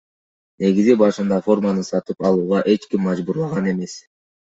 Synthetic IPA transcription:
ne̞ɡizibɑʃɯnd̪ɑfo̞rmɑnɯsɑt̪ɯpɑlˠuːʁɑʔe̞t͡ʃkimːɑd͡ʒbuɾlˠɑʁɑne̞me̞s

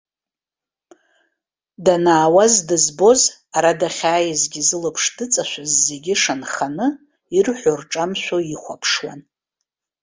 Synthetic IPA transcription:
danaːwazdɨzbo̞z | aɾadaχʲaːjazɡʲizɨlɨpʰʂdɨt͡sʼaʃʷazːe̞ɡʲiʂanχanɨ | irħʷʊrʈ͡ʂʼamʃʷᶣoiχʷapʰʂwa̰n

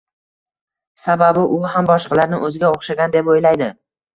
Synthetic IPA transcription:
sababɪʔʊɦambɒʃqʰɑlaɾnɪ̰ʔɵzɪɡʲaoχʃaɡʲand̪epojlajd̪ɪ

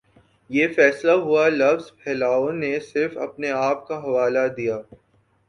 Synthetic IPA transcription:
jeːfɛːslaɦualɐʋzpʰɛːlaːõnesɪɾfɐ̰pneaːp̚kaɦɐʋaːlad̪ijaː

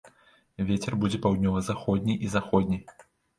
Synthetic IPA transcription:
vʲet͡sʲɛrbud͡zʲɛpawd̪̚ʲnʲɔvɐzaxɔd̪ʲnʲiʔizaxɔd̪ʲnʲi

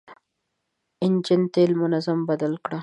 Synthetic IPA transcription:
ɪnd͡ʒɪnt̪elmʊnazambad̪alkɽa

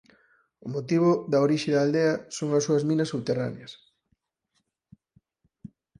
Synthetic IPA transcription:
ʊmot̪iβ̞ʊðɐoɾiʃɪðɐːld̪eɐsoŋɐsːuɐzmĩnɐsuβt̪era̰njɐs

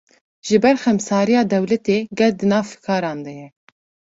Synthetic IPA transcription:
ʒ̥ɨbɛɾxɛmsɑːɾijɑːd̪ɛwlɛt̪eːɡɛld̪ɨnɑːvfɨ̥kʰɑːɾɑːnd̪ɛjɛ

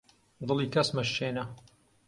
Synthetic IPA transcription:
d̪ɨlˠiːkɐsmɐʃʃeːnɐ

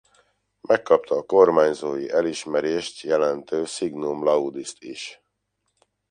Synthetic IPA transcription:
mʔɛkːɒp̚t̪ʰɒːko̞rmaːɲzoːjiʔɛliʃmɛɾeːʃt̪jɛlɛnt̪øːsiɡnumlɒud̪ist̪iʃ

